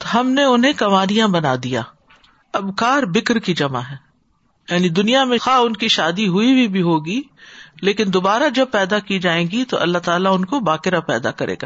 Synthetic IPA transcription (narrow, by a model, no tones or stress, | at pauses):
t̪oɦɐmneʊnɦẽkɐmaːɾijãbɐnaːd̪ija̰ː | ɐbkaːɾbɪkɾkid͡ʒɐmaɦɛː | jaːnid̪ʊnijamẽxaʊnkiʃaːd̪iɦʊibʱibʱiɦoːɡileːkɪnd̪oːbaːɾad͡ʒɐb̚pɛːd̪akid͡ʒaːẽːɡit̪oʔɐ̰lːat̪aːlaʊnkobaːqɪɾapɛ̰ːd̪a̰kɐɾʔḛːɡa̰ː